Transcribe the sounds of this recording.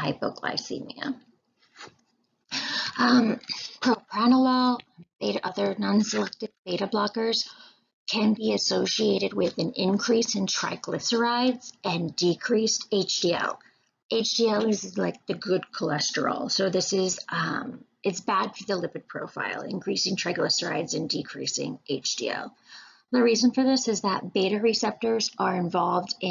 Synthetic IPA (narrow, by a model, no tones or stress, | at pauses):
aɪbʊ̰ʊkʰla̰ɪsḭmḭə̰ | ʌ̃mpʰɹ̥oʊpʰɹ̥ænəlɔlˠd̥eɪɾɨʔʌðə˞nɑ̃nsəlɛk̚tɨvd̥eɪɾɨblɑkə˞z̥ | kʰɨ̃nbiɨsoʊʃieɪɾɨd̚wɪðɨ̃nɪ̃nkʰɹ̥isɨ̃ntʰɹ̥a̰ɪklɪfsə˞aɪdz̥ʔɨ̃ndikʰɹ̥isteɪt͡ʃd̥iɛ̰lˠ | ʔeɪt͡ʃd̥iɛlˠɪzlaɪk̚ðɨɡʊd̚kʰəlɛstə̰˞l̩ˠsoʊðɪsɪzʌ̃mʔɨtsb̥æd̥fə˞ðəlɪpɨd̚pʰɹ̥o̰ʊfa̰ɪlˠɪ̰̃nkʰɹ̥isɪ̃ŋtʰɹ̥aɪɡlɪsə˞a̰ɪdzɨ̃ndikʰɹ̥ḭsɪ̰̃ŋʔeɪt͡ʃd̥ḭɛ̰lˠ | ðəɹizə̃nfə˞ðɪsɨzðət̚b̥eɪɾɨɹisɛp̚tə˞zʔə˞ɨ̃ɱvɑlˠvdɪ̃